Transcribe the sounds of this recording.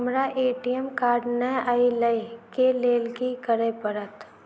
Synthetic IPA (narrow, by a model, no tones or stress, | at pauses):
mɾaʔeːʈijəmkaːɖnəailəikeleːlkikəɾepəɾət̪